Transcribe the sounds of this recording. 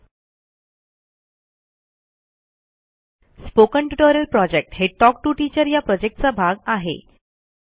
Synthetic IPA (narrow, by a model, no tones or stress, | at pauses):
spokəɳʈuʈoɾəlpɾɔd͡ʑek̚ʈɦeʈɔk̚ʈuʈit͡ɕəɾjapɾɔd͡ʑek̚ʈ̚t͡sabʱaɡaɦḛ